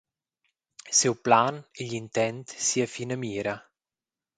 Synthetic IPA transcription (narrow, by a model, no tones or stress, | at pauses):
siwplaniʎint̪ɛnt̪siːafinamiːɾa